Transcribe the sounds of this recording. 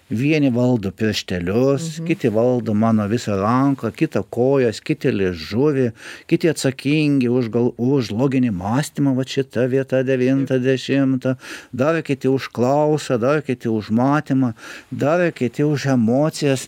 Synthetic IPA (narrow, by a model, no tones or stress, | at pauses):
ʋʲiɛnʲɪʋɐlˠd̪opʲɪɾʲʃʲt̪ʲɛlʲʊskʲɪt̪ʲɪʋɐlˠd̪oːmɑːnoːʋʲɪsɐrɐŋkɐkʲɪt̪ɐkoːjoːskʲɪt̪ʲɪlʲɪʒʊʋʲɪkʲɪt̪ʲɪɐt̪sɐkʲiŋʲɡʲɪʊʃɡɐlˠʊʃlˠoːɡʲɪnʲɪmɑːsʲt̪ʲɪmɐʋɐtʃʲɪt̪ɐʋʲiɛt̪ɐd̪ʲɛʋʲint̪ɐd̪ʲɛʃʲɪmt̪ɐd̪ɐrkʲɪt̪ʲɪʊʃklˠɐʊsɐd̪ɐrkʲɪt̪ʲɪʊʃmɑːt̪ʲɪmɐd̪ɐrkʲɪt̪ʲɪʊʃɛmoːt̪sʲɪjɛs